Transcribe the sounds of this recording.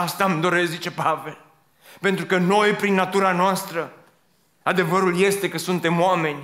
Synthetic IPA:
ast̪amd̪o̞ɾeszit͡ʃe̞pave̞l | pe̞nt̪ɾukəno̞jpɾinːat̪uɾanoast̪ɾə | ad̪e̞vəɾulje̞st̪e̞kəsunt̪e̞moame̞nʲ

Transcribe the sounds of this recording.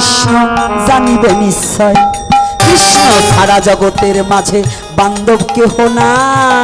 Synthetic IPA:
ʃnɔzanibemisːɔekɾiʃnoʃʰaɽad͡ʑɔɡot̪eɾmad͡ʑʱe | band̪obkeɦona

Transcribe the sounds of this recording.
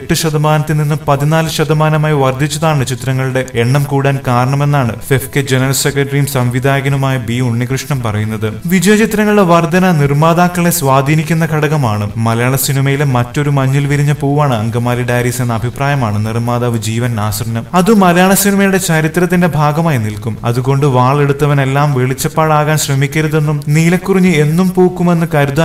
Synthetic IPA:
eʈːɨɕɐd̪ɐmaːnɐt̪ːilninːupɐðinaːlɨɕɐd̪ɐmaːnɐmaːjiʋɐrd̪ʱːit͡ɕːɐðaːɳɨt͡ɕit̪ɾɐŋːɐɭuɽe̞eɳːɐmkuːɽaːnkaːɾɐɳɐme̞nːaːɳɨfefked͡ʑenɐrɐlsekɾɐʈːɐrijumsɐmʋid̪ʱaːɣɐnumaːjɐbiuɳːikrɨʂɳɐmpɐrɐjunːɐðɨʋid͡ʑɐjɐt͡ɕit̪rɐŋːɐɭɨɽe̞ʋɐrd̪ʱɐnɐnirmaːd̪aːkːɐɭe̞sʋaːd̪ʱiːnikʲːunːɐkʰɐɽɐɣɐmaːɳɨmɐlɐjaːɳɐsinimɐjilemɐtːo̞ɾumɐɲːilʋiɾiɲːɐpoːʋaːɳɨɐ̰ŋɡɐmaːliɖaːjɾiːse̞nːɐɐbʱipraːjɐmaːɳɨnirmaːd̪ɐːʋɨd͡ʑiːʋɐnaːsɐrɐnɐmɐðɨmɐlɐjaːɳɐsinimɐjuɽe̞t͡ɕɐɾit̪rɐt̪̬ːindebʱaːɡɐmaːjɐnilkumɐ̰ðuɣo̞ɳɖɨʋaːɭe̞ɽut̪ːɐʋɐne̞lːaːmʋeɭit͡ɕːɐpːaːɽaːɣaːnɕrɐmikʲːɐɾuðe̞nːumniːlɐkːuriɲːɨe̞nːumpoːkːume̞nːɨkɐɾud̪a

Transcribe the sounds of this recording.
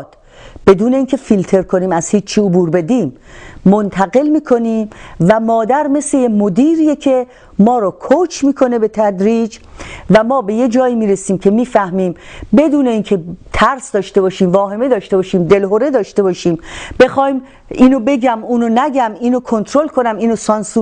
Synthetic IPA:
d̪̥ | b̥e̞d̪uːne̞iːcʰe̞filt̪ʰe̞ɾkʰoniːmæz̥hiːt͡ʃt͡ʃʰːiːobuːɾbe̞d̪iːmː | ont̪ʰæɣe̞lmiːkʰo̞niːmvæmɒːd̪æɾme̞slejemod̪iːɾijecʰe̞ | mɒːɾɒkʰot͡ʃʰmiːkʰo̞ne̞be̞t̪ʰæd̪ɾiːd͡ʒvæmɒːbe̞je̞d͡ʒɒːiːmiːɾesiːmcʰe̞miːfæhmiːmbe̞d̪uːne̞iːncʰet̪ʰæɾsd̪ɒːʃt̪e̞bɒːʃiːmvɒːɦe̞me̞d̪ɒːʃt̪e̞bɒːʃiːmd̪e̞lɦoɾe̞d̪ɒːʃt̪e̞bɒːʃiːmbe̞xɒːim | iːnobe̞ɡæmuːnonæɡæmiːnokʰont̪ʰɾolkʰo̞næmiːnosɒnsu

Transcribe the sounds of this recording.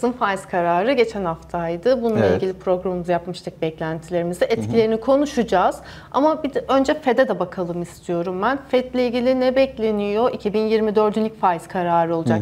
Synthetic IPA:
zɯnfajzkʰaɾaːɾɯɟe̞t͡ʃʰænhaft̪ʰajd̪ɯbununˠailʲɟʲilʲipɾo̞ɡɾamɯmuzjapmɯʃt̪ʰɯk̚bɛclʲænt̪ʰilʲe̞ɾimizɛʔɛt̪cʰilʲe̞ɾinikʰo̞nuʃud͡ʒaz̥ | a̰mabid̪ɛø̞nd͡ʒɛfed̪ɛd̪ɛbakʰalˠɯmist̪ʰijo̞ɾumbænfɛt̪lʲɛilʲɟʲilʲinɛbɛclʲe̞nijo̞ʔicʰibinjiɾmid̪ø̞ɾd̪ynlʲi̥cʲfajz̥kʰaɾaːɾɯo̞lˠud͡ʒak

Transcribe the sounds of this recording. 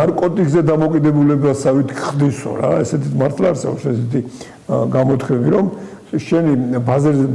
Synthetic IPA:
naɾkʼɔt̪ʼikʰʼzɛd̪amɔkʼid̪ɛbulɛblasavit̪ʰkʰχd̪isɔ̰ɾaɛsɛt̪ʰit̪maɾt̪ʰlaːɾsɛɔpsɛsɛt̪ʰi | ɡamɔt̪ʰkʰwɛmiɾɔm | ʃɛnibazɛɾzɛ

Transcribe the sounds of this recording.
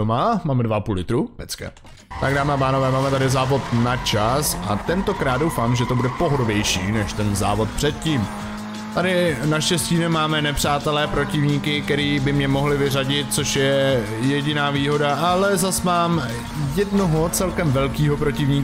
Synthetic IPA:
omamaːmɛdvaʔapuːlɪt̪ɾuɛt͡skɛ̰ | t̪aɡdaːmɛapaːno̞vɛːmaːmɛt̪adɪzaːvo̞t̪nat͡ʃasʔat̪ɛnt̪o̞kɾaːd̪dowfaːmʒɛt̪o̞budɛpo̞ɦodovjɛjʃiːnɛʃt̪ɛnza̰ːvo̞t̪̚pr̝̥ɛt̪̚ciːm | t̪adɪnaʃcɛsciːnɛmaːmɛnɛpr̝̥aːt̪ɛlɛːpɾo̞cɪvɲiːkɪk̚t̪ɛɾiːbɪmɲɛmo̞ɦlɪvɪraɟɪt̪̚t͡so̞ʃjɛ | jɛɟɪnaːviːɦo̞daʔalɛzasmaːm | jɛdnoɦo̞t͡sɛlkɛmvɛlkiːɦo̞pɾo̞cɪvɲiː

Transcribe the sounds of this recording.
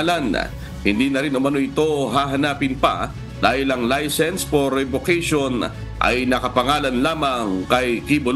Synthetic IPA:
lɐn | hɪnd̪iːnɐɾinʊmɐnoʔɪt̪o̞ɦaːɦɐnaːpɪnpɐ̰ | d̪̥aːhɪlɐŋlajsɛnspoɾɛbokɛjʃo̞n | ʔɐ̰jnɐkɐpɐŋaːlɐnlaːmɐŋkɐjkibʊl

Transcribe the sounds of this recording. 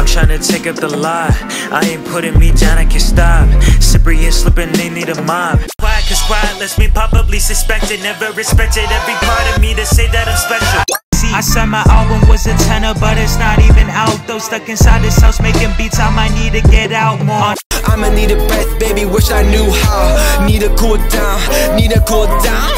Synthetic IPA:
tʰɹ̥aɪɪ̃ŋtʰɨtʰeɪkʌp̚ðəlaɪ | ʔa̰ɪɨ̃mpʰʊɾɪ̃ŋmidãʊ̃naɪkʰɨnstɑp̚sɪpɹihislɪpɪ̃ŋðeɪniɾəmaɪv̥kʰaɪɨkʰɨspɹaɪɨ̃nlɨsb̥ipʰɑbəblisɨspɛk̚tɨd̚ⁿnɛvə˞ɹɨspɛk̚tɨɾɛvɹipʰɑɹɾʌvmiɾɨseɪðɨɾɨ̃spɛʃlˠsiaɪsɔmaɪʔɑlˠbə̃mwʌzɨtʰɛ̃nə˞bʌɾɨtsnəɾivɨ̃naʊðoʊz̥tʌkɨ̃nsaɪd̪̚ðɨsaʊsmeɪkɪ̃ŋbitsãmaɪnid̚tɨɡɛɾaʊt̚mɔɹʔãɪ̃mɨniɾɨbɹɛθb̥eɪbiwɪʃaɪnjuhaʊniɾɨkʰɔd̥ãʊ̃nniɾɨkʰɔl̚ˠdãʊ̃n

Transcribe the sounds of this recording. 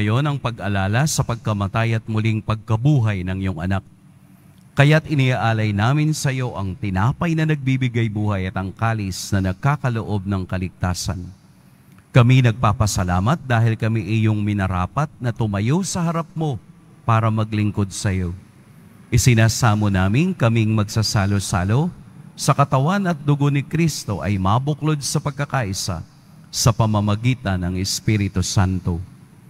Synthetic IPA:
ɐjo̞nɐŋpɐɡʔɐlaːlɐsɐpɐɡ̚kɐmɐt̪ajɐt̪̚mʊliŋpɐɡ̚kɐbuːɦɐjnɐŋjoŋʔɐ̰nak̚ː | ɐjat̪ɪnɪaʔaːlɐjnaːmɪnsɐjo̞ʔɐŋt̪ɪnaːpɐjnɐnɐɡ̚bibɪɡajbuːhɐjɐt̪ɐŋkaːlɪsnɐnɐɡ̚kaːkɐloʔo̞b̚nɐŋkɐlɪk̚t̪aːsɐ̰n | kɐminɐɡ̚paːpɐsɐlaːmɐt̪̚d̪aːɦɪlkɐmiʔɪjoŋmɪnɐɾa̰ːpɐt̪̚nɐt̪ʊmɐjowsɐhɐɾɐp̚mo̞ | paːɾɐmɐɡlɪŋko̞d̪̚sɐjo̞ | ʔɪsɪnaːsaːmonaːmɪnkɐmɪŋmɐɡ̚sasalosa̰lo̞sɐkɐt̪ɐwanɐt̪̚d̪ʊɡo̞nɪkɾist̪o̞ʔɐjmabʊklo̞d̪̚sɐpɐɡ̚kɐkaːʔɪsa̰ | sɐpɐmɐmɐɡiːt̪ɐnɐŋɛspiɾɪt̪osant̪o̞

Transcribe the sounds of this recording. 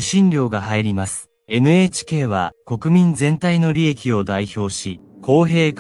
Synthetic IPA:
ɕĩnɾʲo̞ːɡahaiɾʲimasɨ̥ | e̞nɯ̟e̞ːt͡ɕi̥ke̞ːβa̰ko̞kɯ̟mʲĩnd͡zẽ̞nt̪aino̞ɾʲie̞kʲio̞d̪aiço̞ːɕi | kʰo̞ːɦe̞ːk

